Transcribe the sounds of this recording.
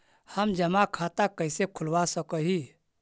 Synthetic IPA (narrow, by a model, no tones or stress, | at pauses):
həmd͡ʒəmakʰat̪akəɪsekʰulwasəkəɦi